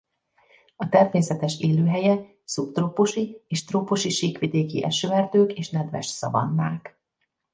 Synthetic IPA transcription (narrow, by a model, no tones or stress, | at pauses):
ɒt̪ɛrmeːsɛt̪ɛʃeːløːɦɛjɛ | supt̪roːpoʃieːʃt̪roːpoʃiʃiːkʋid̪eːkḭʔɛ̰ʃøɛrd̪øːkeːʃnɛd̪ʋɛ̰ʃsɒ̰vɒ̰nːa̰ːk